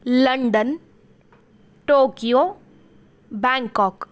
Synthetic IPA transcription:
ləɳɖən | ʈoːkijo | baŋkɔk

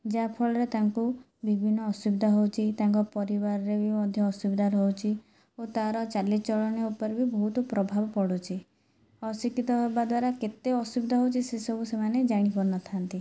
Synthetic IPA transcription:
d͡ʒapʰɔɭɔɾet̪aŋku | bibʱinːɔːsubd̪ʱaɦowt͡ʃʰit̪aŋkɔpɔɾibaɾɔɾebimɔd̪ʱjɔːsubd̪ʱaɾɦowt͡ʃʰi | ot̪aɾɔt͡ʃalist͡ʃɔɭɔneupɔɾbibɔɦut̪ɔpɾɔbʱabɔpɔɽot͡ʃʰi | ɔsikit̪ɔɦbad̪waɾaket̪eɔsubd̪ʱɔɦowt͡ʃʰisesɔbʱusemaned͡ʒaɽ̃ipɔɾnɔt̪ʰant̪i

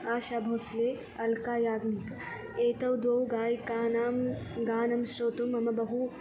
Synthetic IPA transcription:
aːʃaːbʱoːsleː | ɐlkaːjaːɡnik | eːt̪ɐwd̪woːwɡaːjkaːnaːmɡaːnɐmʃɾoːt̪umɐmɐbɐɦu

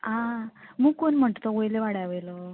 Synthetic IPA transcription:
ãmuːkoɳm̤əʈt̪oʋojleʋaɽaʋəjlo

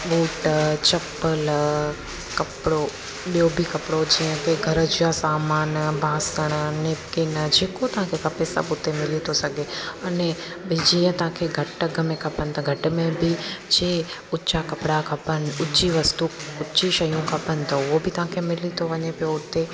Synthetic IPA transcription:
ɓuːʈt͡ɕɐpəl | kɐpɽo | ɓijobʱɪkɐpɽod͡ʑiːə̃kʰeɡʱɐɾəd͡ʑʊjasaːmaːnbʱaːsəɽ̃neːpkɪnd͡ʑeːkot̪ɐʋɦãkʰekɐpesɐ̰bʊt̪emɪlit̪ʰosɐɡʱeɐnɛ | bɪd͡ʑiːə̃t̪ɐʋ̤ãkʰeɡʱɐʈɐɡʱəmẽkʰɐpənɪ̆t̪ʰɐɡʱɐʈ̆mẽbʱɪd͡ʑeː | ʊt͡ɕakɐpɪɽakʰɐpənɪ̆ʊt͡ɕiʋɐst̪uʊt͡ɕiʃɐjũkʰɐpənɪ̆t̪ʰɐʊɦobʱɪt̪ɐɦãkʰemɪlit̪ʰoʋɐɲepijoʊt̪e

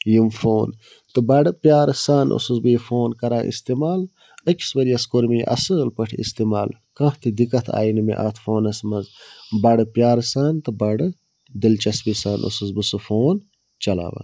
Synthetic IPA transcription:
jimfoːn | t̪ɨbɐɖɨpjaːɾsaːnʔo̰suzbɨjfoːnkɐɾaːʔḭst̪imaːl | əkʲʰi̥sbɐɾijɐskoɾmiʔɐ̰sɨlpɐʈʰḭst̪imaːl | kɐ̃ht̪id̪ikɐt̪ʰa̰ːjinɨmḛʔat̪ʰfoːnɐsmɐzbɐɖɨpʲjaːɾsaːnt̪ɨbɐɖɨ | d̪ilt͡ʃɐsbisaːnʔo̰sɨzbɨsɨfoːn | t͡ʃɐla̰ːʋɐ̰

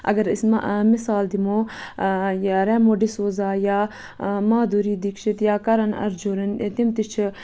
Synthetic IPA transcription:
ɐ̰ɡɐɾism̰mɪsaːld̪imoː | jɾɛːmoːɖisoːzaːjaː | maːd̪uːɾiːd̪ikʃit̪jaːkɐɾɐnɐ̰ɾd͡ʒoːɾɐnt̪imt̪it͡ʃʰ

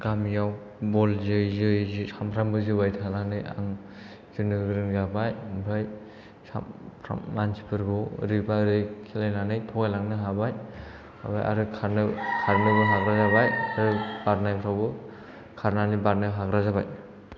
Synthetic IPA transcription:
ɡamjaw | bɔlzɯjzɯjzɯsampʰɾambɯzɯbajtʰananɯja̰ŋ | zɯnɯɡɾɯŋzabajbɯj | sa̰pʰɾa̰mːansi̥pʰɯɾɡɔɾɯbaɾɯjkʰilajnanɯjtʰɔɡajlaŋnɯɦabaj | a̰ba̰jʔa̰ɾɯkʰaɾnɯkʰaɾnɯbɯɦaɡɾazabajaɾɯbaɾnajpʰɾawbɯ | kʰaɾnanɯbaɾnajɦaɡɾazabaj

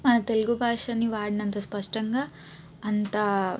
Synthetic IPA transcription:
mɐnɐt̪e̞luɡubʱaːʂɐniʋaːɽinɐnt̪ɐspɐʂʈɐŋɡaː | ɐnt̪ɐ

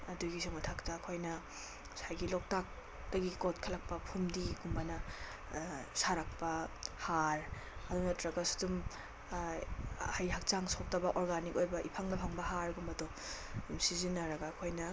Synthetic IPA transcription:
ɐduɡisɔmɐtʰaktaːkʰojnɐ | sajɡilɔk̚tak̚ | d̥ɐɡikotkʰɐlak̚pɐpʰumdiɡumbanɐ | saɾak̚pɐhaɾ | ɐdunɐtɾɐɡɐsu̥dum | hajɦak̚t͡ʃaŋsok̚tɐbɐʔɔɾɡanikojbɐʔḭpʰaŋnɐpʰaŋbɐhaɾɡumbɐdɔ | imsizinːaɾɐɡɐːkʰojnɐ

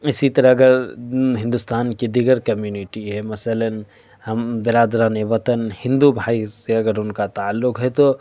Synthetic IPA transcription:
ɪsit̪ɐɾaɐɡəɾɦɪ̃nd̪ʊst̪aːnkid̪iɡəɾkɐmjuːnɪʈiɦɛmɐsələn | hɐmbɪɾaːd̪ɾaːneʋɐt̪ənhɪ̃nd̪ubʱaːiseɐɡəɾʊnkat̪aːlːʊkɦɛt̪o

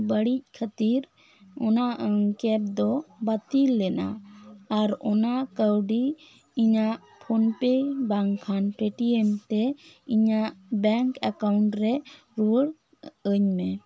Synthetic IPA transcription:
bəɽic̚ˀkʰət̪iɾ | ɔnaʔəŋkɛp̚d̪ɔbat̪ilːɛna̰aɾɔnaʔkəwɖi | iɲaʔ | pʰɔnpebaŋkʰanʈɾeʈiɛmt̪ɛiɲaʔbɛŋkakawɳʈɾɛ | ɾuəɽ | əɲmɛ

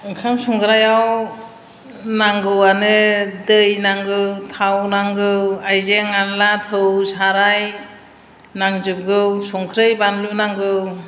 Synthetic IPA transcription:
ɯŋkʰamsɔŋkʰɾajaw | naŋɡɯwanɯdɯjnaŋɡɯwtʰawnaŋɡɯwajzeŋanlatʰɯwsaɾaj | naŋzɯp̚ɡɯwsɔŋkʰɾɯjbanlunaŋɡɯw

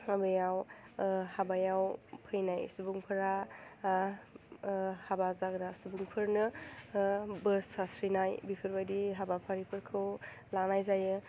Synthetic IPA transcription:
abɯjaw | habajawpʰɯjnajsubuŋpʰɯɾa | habazaɡɾasubuŋpʰɯɾnɯ | bɯɾsasɾinajbipʰɯɾbajdiɦabapʰaɾipʰɯɾkʰɯw | lanajzajɯ

